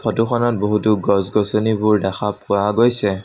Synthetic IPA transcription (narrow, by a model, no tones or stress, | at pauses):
pʰɔtuxɔnɔt̚boɦutuɡɔzɡɔsonibʊɹdaxapʊaɡojsɛ